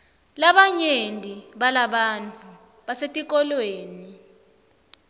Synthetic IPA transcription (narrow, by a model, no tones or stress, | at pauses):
laɓaɲendʱiɓalaɓant͡fʰʼu | ɓasetʼik̬ʼɔlweːni